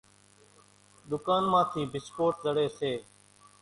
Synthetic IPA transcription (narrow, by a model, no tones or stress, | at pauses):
ɗ̪ʊkaːnmãːt̪ʰiːbʱɪskoːʈzəɽeːseː